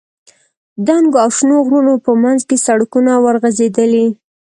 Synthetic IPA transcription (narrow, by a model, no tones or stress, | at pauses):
d̪aŋɡoawʃnoɣɾulopəmanzkesaɽakunawəɾɣazed̪əli